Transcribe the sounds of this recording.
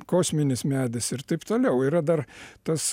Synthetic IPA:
koːsʲmʲɪnʲɪsmʲæːd̪ʲɪsɪrt̪ɐɪpt̪oːlʲɛʊiːɾɐd̪ɐrt̪ɐs

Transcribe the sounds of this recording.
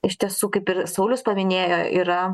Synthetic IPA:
ɪʃʲt̪ʲiɛsuːkɐɪpɪɾsɐʊlʲʊspɐmʲɪnʲeːjoːʔiːɾɐ

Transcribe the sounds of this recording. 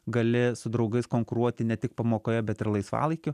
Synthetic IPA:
ɡɐlʲɪsʊd̪ɾɐʊɡɐɪskoːŋkʊɾuɔt̪ʲɪnʲɛt̪ʲɪk̚pɐmoːkoːjɛbʲɛt̪ɪɾlˠɐɪsʋɑ̰ːlˠɐɪkʲʊ

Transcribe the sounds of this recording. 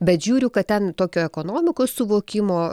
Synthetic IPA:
bʲɛt̪ʒʲuːɾʲʊkɐt̪̚tʲɛnt̪oːkʲoːɛkoːnoːmʲɪkoːssʊʋoːkʲɪmoː

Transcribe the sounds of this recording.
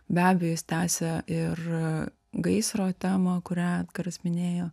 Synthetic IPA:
bʲæːbʲɛjoːjɪsʲt̪ʲæːsʲɛʔɪr | ɡɐɪsɾoːt̪ʲæːmɐkʊɾʲæːkɐɾɐsmʲɪnʲeːjoː

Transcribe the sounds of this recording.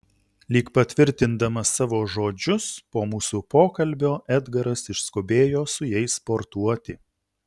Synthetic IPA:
lʲiːkpɐt̪ʲʋʲɪɾʲt̪ʲɪnd̪ɐmɐsɑːʋoːʒoːd͡ʒʲʊspoːmuːsupoːkɐlʲbʲoːʔɛd̪ɡɐɾɐsɪʃskoːbʲeːjoːsʊjɛɪspoːɾt̪uɔt̪ʲɪ

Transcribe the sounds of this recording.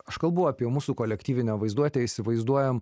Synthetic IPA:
ɐʃkɐlˠbɐʊɑːpʲiɛmuːsuːkoːlʲɛkt̪ʲiːʋʲɪnʲoʋɐɪzd̪uɔt̪ʲeɪsʲɪʋɐɪzd̪uɔjɛm

